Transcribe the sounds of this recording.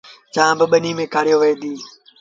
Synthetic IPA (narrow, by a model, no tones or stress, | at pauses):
t͡ʃãːbɪɓəniːmẽːkaːɽjoːʋeɦed̪iː